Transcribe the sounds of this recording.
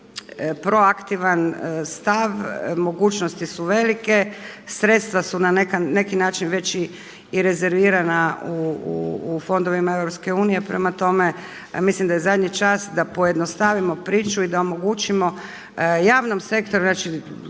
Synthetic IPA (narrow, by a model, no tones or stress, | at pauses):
pɾo̞akt̪iʋanst̪aʋmo̞ɡuːt͡ʃnost̪isuʋe̞like̞sɾe̞t̪st̪ʋasunanekane̞kinaːt͡ʃinʋe̞t͡ɕi | iɾe̞ze̞ɾʋiːɾanauuːfo̞nd̪o̞ʋimae̞ʋɾopske̞uːnije̞pɾe̞mat̪o̞me̞ | mislimd̪ajezad̪ɲit͡ʃasd̪apoje̞d̪nost̪aʋimo̞pɾiːt͡ʃuid̪aomo̞ɡut͡ʃimo̞ | jaːʋno̞mse̞kt̪oɾuznaːt͡ʃi